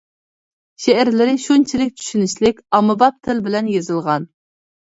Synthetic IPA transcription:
ʃeæɾlɪɾɪʃunt͡ʃʰilɪk̚ʲt͡ʃ̪ʰy̥ʃynɪʃlɪkʲɑmɨbɑp̚t̪ʰɪlbɪlɛnjezɨlˠʁɑn

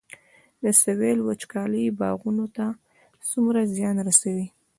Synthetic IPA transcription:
d̪əsawelwat͡ʃkɑləjbɑ̰ɣunot̪a | sumɾazjɑnɾasawi

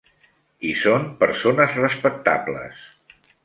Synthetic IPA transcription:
isompəɾsonəzrəspək̚t̪a̰blə̰s

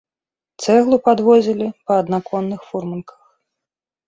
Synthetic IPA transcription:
t̪sɛɣlˠupad̪vɔzʲilʲipɐːd̪nakɔnːɨxfurmɐnkʰɐ̥x

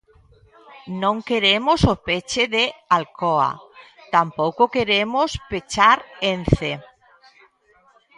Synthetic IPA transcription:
nõŋkeɾemosopet͡ʃeðealkoa̰t̪ampowkokeɾemospet͡ʃaɾenθe

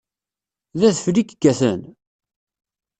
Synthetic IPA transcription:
ðæθəflikəɡːæθə̰n

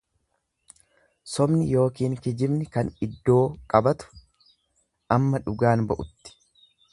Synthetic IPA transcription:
sɔbnɪjo̞ːkiːŋkɪd͡ʒɪbnɪkɐnɪd̪ːo̞ːkʼɐbɐt̪ʊ̥ | ɐmːɐᶑʊɡaːnbɐʔʊt̪ːɪ̥

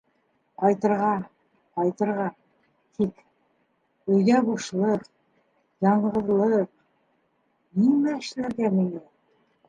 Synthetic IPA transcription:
qɑjt̪ɤ̆ɾʁɑ | qɑjt̪ɤ̆ɾʁɑ | t̪ʰik | ɵ̆jɡæbuʃlˠɤq | jɑɴʁɤ̆ðlˠɤq | nimæɘ̆ʃlæɾɡæmiŋɡæ

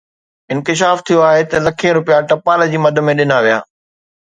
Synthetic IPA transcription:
ɪ̃nkɪʃ̬aːft̪ʰijoaːɦet̪ɐlɐkʰẽɾʊpijaʈɐpaːld͡ʑiːmɐd̪ʱə̆mẽɗɪnaʋija̰ː

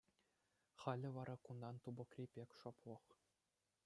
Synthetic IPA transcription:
χɑlʲɘ̆ʋɑɾʔɑkund̪ɑnt̪ubɤ̆krʲipʲekʲʂoplˠɤ̆χ

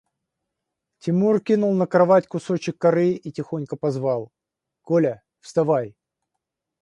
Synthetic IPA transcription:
tʲɪmurkʲinʊlˠnəkɾɐvatʲkʊso̞t͡ɕɪkːɐɾɨitʲɪxo̞nʲkəpɐzvɑlˠ | kolʲə | fst̪ɐvaj

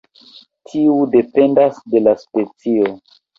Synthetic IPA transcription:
tʰiude̞pe̞ndasde̞laspe̞t͡sio

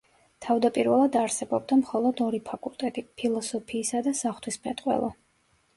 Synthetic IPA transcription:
t̪ʰavd̪apʼiɾvɛlˠad̪aɾsɛbɔbd̪amχɔlˠɔd̪ɔɾipʰakʼulˠt̪ʼɛt̪ʼipʰilˠɔsɔpʰiːsad̪asaχt̪ʰwispʰɛt̪ʼqʼwɛ̰lˠɔ̰

